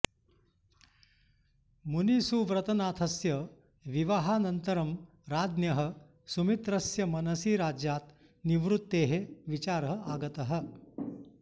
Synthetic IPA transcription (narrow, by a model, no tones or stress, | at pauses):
munisuʋɾɐt̪ɐnaːt̪ʰɐsjɐ | ʋiʋaɦaːnɐnt̪ɐɾɐm | ɾaːd̪njɐɦɐ | sumit̪ɾɐsjɐmɐnɐsiːɾaːd͡ʒjaːt̪ | niʋɾut̪ːeːɦeʋit͡ʃaːɾɐɦaːɡɐt̪ɐɦɐ̆